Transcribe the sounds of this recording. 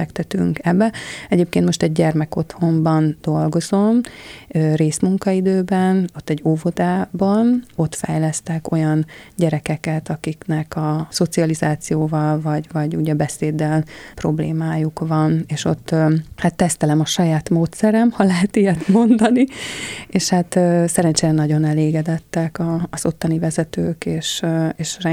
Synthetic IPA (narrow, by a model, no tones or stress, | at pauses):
ɛkt̪ɛt̪y̰ŋkɛbːɛɛɟeːp̚keːnt̪mo̞ʃt̪ɛɟ̚ɟɛrmɛko̞t̪ho̞mbɒnd̪̥o̞lɡo̞zo̞møreːsmuŋkɒid̪øːbɛno̞t̪ːɛɟːoːvo̞d̪aːbɒno̞t̪fɛ̰jlɛst̪ɛko̞jɒnɟɛɾɛkɛkɛt̪ɒkiknɛkɒso̞t̪siɒlizaːt̪sijoːvɒlvɒɟvɒɟuɟɛbɛseːd̪ːɛlpro̞blḛːmaːjukvɒneːʃo̞t̪ːhat̪ːɛst̪ɛlɛmɒʃɒjaːt̪moːt̪sɛɾɛmhɒlɛɦɛt̪ijɛt̪mo̞nd̪ɒnieːʃhat̪sɛɾɛnt͡ʃeːɾɛnɒɟo̞nɛleːɡɛd̪ɛt̪ːɛkɒːz̥o̞t̪ːɒnivɛzɛt̪øːkeːʃeːʃrɛ